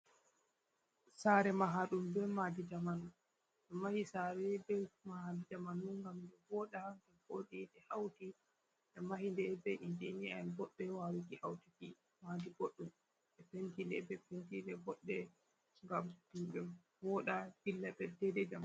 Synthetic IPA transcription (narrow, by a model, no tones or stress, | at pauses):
saɾɛmaɦaɗumbɛmadidamanu | ʔɛmahisaɾɛbɛmahadidamanuŋɡamdɛbɔɗaɡamʔoɗinɛhawti | ʔɛmahindɛbɛʔindinianbɔɗːɛwawikihawtiki | madiɡoɗːum | ʔɛpentindɛbɛpentidɛbɔɗːɛ | ŋɡamdumbɛ | vɔɗabilːabɛdɛdɛd͡ʒaman